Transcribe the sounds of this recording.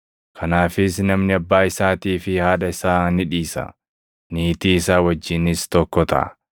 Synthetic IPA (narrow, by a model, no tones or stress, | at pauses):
kʰɐnaːfɪsnɐmnɪɐbːaːɪsaːt̪iːfɪhaːᶑɐɪsaːnɪᶑiːsɐ̰ | niːt̪iːɪsaːwɐd͡ʒːɪnɪst̪ɔkːɔt̪ɐ̰ʔɐ̰